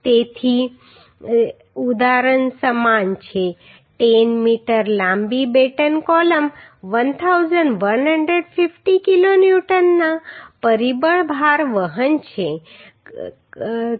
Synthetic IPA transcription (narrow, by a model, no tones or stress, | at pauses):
t̪et̪ʰi | ud̪aɾənsəmant͡ʃʰe | ʈenmiʈəɾlãmbibeʈənkɔləmʋənt̪ʰawzəɳʋənɦəɳɖɾeɖfifʈikilonjuʈənːapəɾibəɭbʱaɾʋəɦənt͡ɕʰe